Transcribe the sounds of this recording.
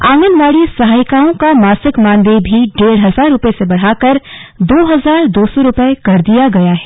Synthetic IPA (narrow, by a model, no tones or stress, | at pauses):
ãːŋɡənʋaːɽisɐɦaːjkaːõkamaːsɪkmãːnd̪ebʱiɖeːɽɦɐzaːɾːʊpesebɐɽ̤ɦaːkɐɾd̪oːɦɐzaːɾd̪oːsɔɾʊpəekɐɾd̪ijaɡɐjaɦɛː